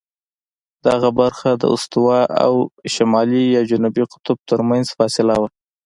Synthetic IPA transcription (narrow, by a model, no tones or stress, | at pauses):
d̪̥aɣabaɾxad̪ə̰ʊ̰st̪ʊwɑʔa̰wʃamɑlijɑd͡ʒʊnubiqʊ̥t̪ʊb̚t̪əɾmanzfɑsɪlawa